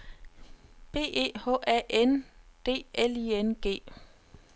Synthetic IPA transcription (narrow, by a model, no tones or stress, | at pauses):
b̥e̝̰ːe̝̰ːhɔ̰ːʔæʔend̥e̝̰ːelienɡ̥e̝̰ː